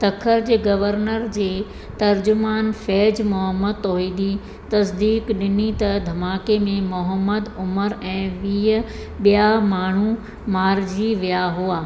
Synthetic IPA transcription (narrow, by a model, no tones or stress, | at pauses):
t̪ɐkʰəɾd͡ʑeːɡɐʋəɾnəɾd͡ʑeː | t̪ɐɾd͡ʑʊmaːnfɛːd͡ʑmʊɦəməd̪̚t̪ɔːɦiːd̪i | t̪ɐsd̪iːkɗɪnit̪ɐd̪ʱɐmaːkemẽmʊɦəmːəd̪ʊməɾɛ̃ːʋiːə | ɓijamaːɳ̤u | maːɾd͡ʑiʋijaɦuaː